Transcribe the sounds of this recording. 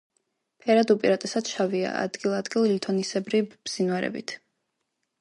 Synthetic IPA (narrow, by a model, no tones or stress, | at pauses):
pʰɛɾad̪upʼiɾat̪ʼɛsad̪ʃavia̰a̰d̪̥ɡilˠad̪ɡilˠlit̪ʰɔnisɛbɾib̥z̥inwaɾɛ̰bḭt̪ʰ